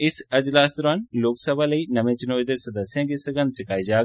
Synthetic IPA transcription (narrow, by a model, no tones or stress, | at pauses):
ɪsəd͡ʒlaːst̪oːɾaːnloːksəbaːləiːnəʋẽːt͡ʃɪnoːid̪eːsəd̪əsːɪjãːɡiːsəɡənt͡ʃəkaːiːd͡ʒaːɡ